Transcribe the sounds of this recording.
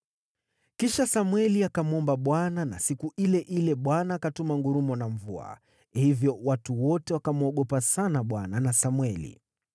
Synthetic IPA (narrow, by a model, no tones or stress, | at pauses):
kiʃasamwɛliakamuɔmbaɓwanana̰sikuʔilɛʔilɛɓwanaːkatumaŋɡuɾumɔnaɱvua̰ | hivjɔwatuwɔtɛwakamuɔɠɔpasanaɓwananasamwɛlḭ